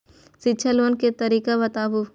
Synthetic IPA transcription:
siʃʰaloːnket̪ɐɾiːkabɐt̪aːbu

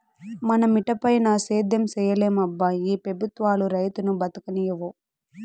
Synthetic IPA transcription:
mɐnɐmiʈɐpɐjnaːseːd̪ʱjɐmsɛːjɐleːmɐbːɐiːpɾɐbʱut̪ʋaːluɾɐjt̪unubɐt̪ɐkɐnijɐʋo

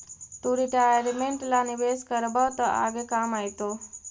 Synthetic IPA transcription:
t̪uɾiʈaaɾimeɳʈlaniʋeskəɾbat̪əʔa̰ɡekamajt̪o

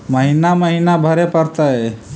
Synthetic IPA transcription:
məɦinaməɦinabʱəɾepəɾt̪ae

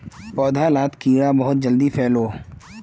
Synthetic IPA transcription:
pɔːd̪ʱalaːt̪kiːɾabɐɦʊt̪̚d͡ʒəld̪ipʰɛːloː

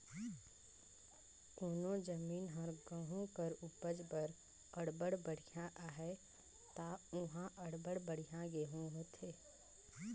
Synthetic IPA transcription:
koːnod͡ʒəmiːnɦəɾɡə̃ɦũkəɾʊbəd͡ʒbəɾ | əɽbəɽbəɽ̤ijãʔaːɦɛ | t̪aːʊɦãʔəɽbəɽbəɽ̤ijãɡeɦũɦot̪ʰeː

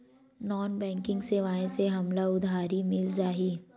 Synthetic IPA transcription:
nɔːnbɛ̃ːŋkɪ̃ŋɡseːʋaːẽseɦɐmlaʊd̪ʱaːɾimɪld͡ʒaːɦiː

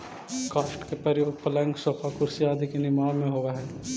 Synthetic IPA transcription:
kaːʃʈkepɾɐjoːɡ̚pɐlə̃ŋɡsoːpʰakʊɾsiaːd̪ʱikenɪmaːmẽɦoːʋaɦɛː

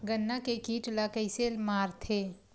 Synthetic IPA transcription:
ɡənːakekiːʈlakəɪselmaːɾt̪ʰeː

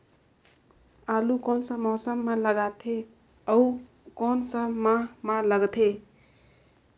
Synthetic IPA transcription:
alukonsə̃mɔsəmːaləɡat̪ʰe | ʌu | konsəmamaləɡt̪ʰe

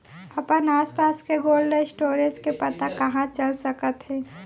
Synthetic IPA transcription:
ɐpənaːspaːskeɡoːlɖesʈoːɾed͡ʒkepɐt̪akɐɦãt͡ʃəlsəkət̪ɦɛ̃ː

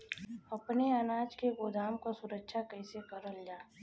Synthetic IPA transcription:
ɐpneɐnaːd͡ʒkeɡoːd̪aːmkasʊɾəkʃakəɪsekəɾəld͡ʒaː

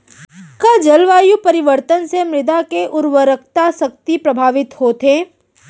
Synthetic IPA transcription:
kɐd͡ʒɐlʋaːjupɐɾɪʋəɾt̪ənsemɾɪd̪akeʔʊɾwəɾək̚ʰt̪asɐk̚t̪ipɾɐbʱaːʋɪt̪hoːt̪eː

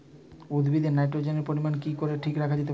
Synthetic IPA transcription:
ud̪bʱid̪ʱenajʈɾod͡ʑeneɾpoɾimankikoɾeʈʰikɾakʰad͡ʑet̪̬e

